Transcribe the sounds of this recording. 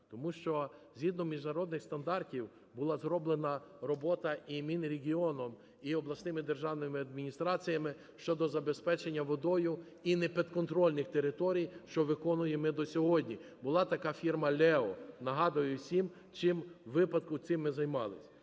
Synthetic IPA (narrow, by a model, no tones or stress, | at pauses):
t̪ɔmuʃt͡ʃɔzʲɦid̪nɔmʲiʒnɐɾɔd̪nɪxst̪ɐnd̪ɑrtʲiw | bʊlˠɑzɾɔblˠenɐɾɔbɔt̪ɐimʲinɾʲeɦʲiɔnɔm | iɔblˠɐsʲnɪmɪd̪erʒɑwnɪmɪɐd̪mʲinʲist̪ɾɑt͡sʲijɐmɪ | ʃt͡ʃɔd̪ɔzɐbespɛt͡ʃenʲːɐʋɔd̪ɔjʊ | inɛpʲit̪kɔnt̪ɾɔlʲnɪxt̪eɾɪt̪ɔɾʲijʃt͡ʃɔʋɪkɔnʊjemɪd̪ɔsʲɔɦɔdʲnʲibʊlˠɑt̪ɐkɑfʲirmɐlʲɛɔnɐɦɑd̪ʊjʊsʲim | t͡ʃɪmʋɪpɐd̪̚kʊt̪sɪmːɪzɐjmɑlˠɪsʲ